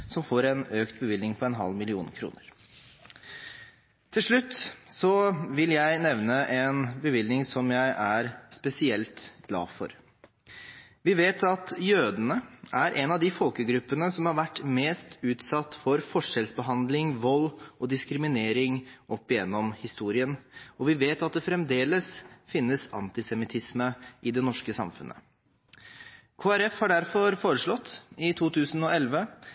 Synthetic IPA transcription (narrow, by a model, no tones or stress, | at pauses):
sɔmfoːɾɛnøːkt̪̚bəʋɪlnɪŋpʰɔɛnɦɑ̰lːmɪlɪṵːnkʰɾṵːnəɾ | t̪ʰɪlʂɭʉt̪ːsɔʋɪljæɪnɛʋnəʔɛnbəʋɪlnɪŋsɔmjæɪʔæɾspɛsɪɛlt̪ɡlɑ̰ːfɔ̰ɾ | ʋɪʋeːt̪ʰɑt̪jøːd̪ənəʔæɾʔɛnɑd̪ɪfɔlkəɡɾʉpːənəsɔmhɑɾʋæʈːmeːst̪ʉːt̪sɑt̪ːfɔɾfɔʂɛlsbəɦɑnd̪lɪŋʋɔlːɔd̪ɪskɾɪmɪneːɾɪŋʔɔpːɪjɛnːɔmhɪst̪uːɾɪənɔʋɪʋeːt̪ɑt̪̚d̪ɛfɾɛmd̪eːləsfɪnːəsɑ̰nt̪ɪsɛmɪt̪ʰɪsməʔɪd̪ɛnɔʂkəsɑ̰mfʉ̰nʔə̰ | kʰoːæɾɛfhɑɖæɾfɔɾfoːɾəʂɭɔt̪ːɪt̪ʰuːt̪ʰʉːsən̩ɔɛlʋə